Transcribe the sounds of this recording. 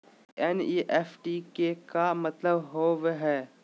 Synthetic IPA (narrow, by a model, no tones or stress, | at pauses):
ɛniːʔɛːfʈikekamɐt̪ləbɦoːʋeɦɛː